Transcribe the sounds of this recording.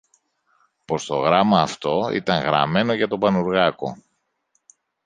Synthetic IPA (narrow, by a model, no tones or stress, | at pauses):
po̞st̪o̞ɣɾɐmɐːft̪o̞ḭt̪ɐŋɣɾɐ̰me̞no̞ʝɐt̪o̞pɐnuɾɣɐko̞̰